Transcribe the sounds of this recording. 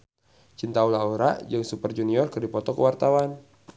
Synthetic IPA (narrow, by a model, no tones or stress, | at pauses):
t͡ʃint̪aulauɾa̰d͡ʒaŋsupərd͡ʒuniɔrkərdipɔt̪ɔkəwart̪awan